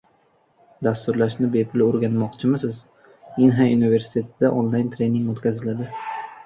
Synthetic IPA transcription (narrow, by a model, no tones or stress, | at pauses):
d̪ast̪ʊɾlaʃnɪbepʰʊloɾɡʲanmɒqt͡ʃʰɪmɪsɪz | inɦaunive̞ɾsɪ̥t̪ʰet̪ʰɪd̪aʔonlˠajnt̪ʰɾe̞nɪŋɡot̪kʲʰazɪlad̪ɪ